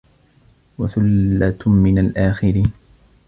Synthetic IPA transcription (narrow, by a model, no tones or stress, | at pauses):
waθʊlːat̪mɪnalʔaːxɪɾiːn